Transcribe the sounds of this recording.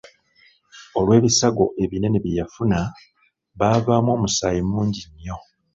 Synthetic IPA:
o̞lwe̞ːβisaɡo̞ʔe̞βine̞neβjijafuna | βaːvaːmwo̞ːmusaːjimuːɲɟiɲːo̞

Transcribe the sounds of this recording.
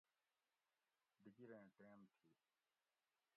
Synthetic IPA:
d̪iɡiɾẽːʈeːmt̪ʰiː

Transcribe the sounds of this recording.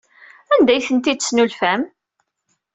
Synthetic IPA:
ænd̪æjθənt̪id̪snulfæm

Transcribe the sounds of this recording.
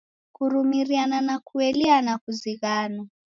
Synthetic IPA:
kuɾumiɾiananakʰuɛlianakuziɣaːna

